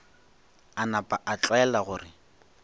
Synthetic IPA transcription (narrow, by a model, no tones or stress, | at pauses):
anapʼaʔat͡ɬʼɛlaɣʊːrɪ